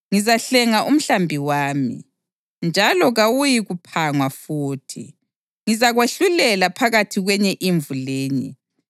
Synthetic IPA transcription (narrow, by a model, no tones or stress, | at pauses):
ŋizaɬɛŋaʔum̩ɬambʱiwaːmḭ | nd͡ʒʱalɔɣawujiɣupʰaŋwafuːtʰi | ŋizaɣweɬulɛlapʰaɣatʰiɣwɛɲɛʔiɱvuleːɲḭ